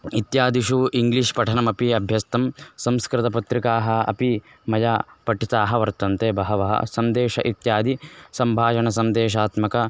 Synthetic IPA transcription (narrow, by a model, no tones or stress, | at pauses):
it̪jaːd̪iʃuiŋɡliʂpɐʈʰɐnɐmɐpiɐbʱjɐst̪ɐmsɐmskɾɪt̪ɐpɐt̪ɾikaːɦɐ̆ɐ̰pi | mɐjaːpɐʈʰit̪aːɦɐ̆ʋɐɾt̪ɐnt̪eːbɐɦɐʋɐɦɐ̰sɐnd̪eːʃɐ̰ʔit̪jaːd̪ʱisɐmbʱaːʃɐɳɐs̬ɐnd̪eːʃ̬aːt̪mɐkɐ